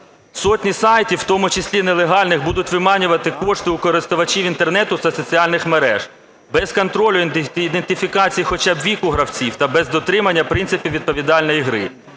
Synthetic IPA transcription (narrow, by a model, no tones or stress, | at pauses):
sɔtʲnʲisɑjtʲiwwt̪ɔmʊt͡ʃɪsʲlʲinelˠeɦɑlʲnɪxbud̪ʊtʲʋɪmɑnʲʊʋɐt̪ɪkɔʃt̪ɪʊkɔɾɪst̪ʊʋɐt͡ʃiʋint̪ernɛt̪ʊt̪ɐsɔt͡sʲiɑlʲnɪxmeɾɛ̰ʒ̥ | bɛzkɔnt̪ɾɔlʲʊnid̪ent̪ɪfʲikɑt͡sʲijixɔt͡ʃɑbʋʲikʊɦɾɐwt͡sʲiwt̪ɐbɛzd̪ɔt̪ɾɪmɐnʲːɐpɾɪnt̪sɪpʲiwʋʲid̪̚pɔʋʲid̪ɑlʲnɔjiɦɾɪ̰